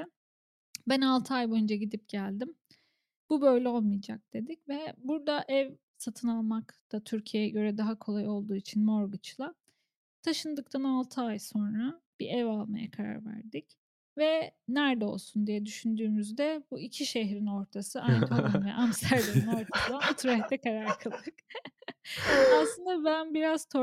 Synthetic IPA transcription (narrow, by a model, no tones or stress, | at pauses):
bænalˠt̪ʰɯajboynd͡ʒaɟid̪ip̚ɟælʲd̪im | bubø̞jlʲɛo̞lˠmɯjd͡ʒa̰k̚d̪̥e̞d̪icvɛbuɾd̪aʔɛv | sat̪ʰɯnalˠmakd̪̥at̪ʰyɾcʰijejɛɟø̞ɾɛd̪aɦakʰo̞lˠajo̞lˠd̪uːit͡ʃʰinmo̞ɾɡɯt͡ʃlˠa | t̪ʰaʃɯnd̪ɯk̚t̪ʰanalˠt̪ʰɯajso̞nɾab̥iɛvalˠmaja̰kʰaɾa̰ɾvæ̰ɾd̪ic | vɛnæɾd̪ɛo̞lˠsund̪ijɛd̪yʃynd̪yːmyzd̪ɛbuicʰiʃeɦɾino̞ɾt̪ʰasɯʔanɛt̪ʰolanvɛ̰ʔamst̪ʰæɾleino̞ɾt̪ʰaslˠaat̪ʰɾoɛt̪ʰɛkʰaɾaɾkʰɯlˠd̪ɯk | aslˠɯnd̪abænbiɾaz̥t̪ʰo